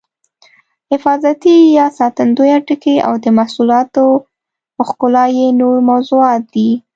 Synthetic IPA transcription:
hɪfɑzat̪ijɑsɑt̪and̪ojaʈəkea̰wd̪əmasulɑt̪o | əxkʊlɑjenoɾmawzuɑt̪̚d̪i

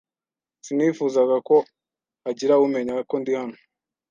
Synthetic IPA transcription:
sinifuːzaɡako̞ | aɟiɾaume̞ɲakondihano̥

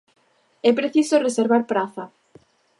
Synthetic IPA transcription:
ɛpɾeθisoreseɾβaɾpɾaθɐ

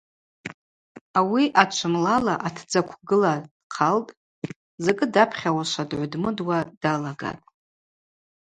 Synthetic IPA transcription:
awiʔat͡ʃʷʰɨmlalaʔatʰd͡zakʷʰɡɨlad̥qʰaltʼ | zakʼɨdapʰχʲawaʃʷadʕʷdmɨdwad̥alaɡa̰tʼ

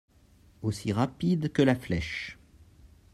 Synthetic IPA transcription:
osiʁapid̪kəlaflɛʃ

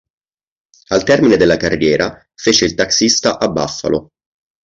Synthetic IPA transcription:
alt̪ɛrmined̪elːakarːjɛːɾa | feːt͡ʃeilt̪aksist̪aʔabːa̰fːa̰lo̰

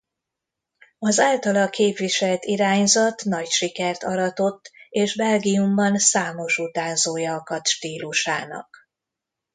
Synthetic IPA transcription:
ɒzaːlt̪ɒlɒkʰeːpʋiʃɛlt̪iɾaːɲzɒt̪nɒcʃikɛrt̪ɒɾɒt̪o̞t̪ːeːʒbɛlɡiumbɒnsaːmo̞ʃut̪aːzoːjɒːkɒt̪ʃt̪iːluʃa̰ːnɒ̰k

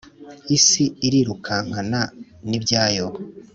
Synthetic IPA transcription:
isiiɾiɾukʰaŋɡananibɟaːjo

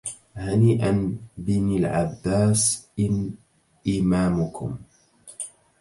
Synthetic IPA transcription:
haniːʔanbɪnɪlʕa̰bːaːsʔɪn | ʔɪmaːmʊkʊ̰m

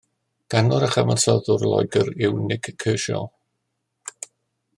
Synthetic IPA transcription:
ɡ̥anɔɾəχəmənsɔðʊrlˠɔ̰jɡəɾɪwnɪɡʰəːʃɔ̰lˠ

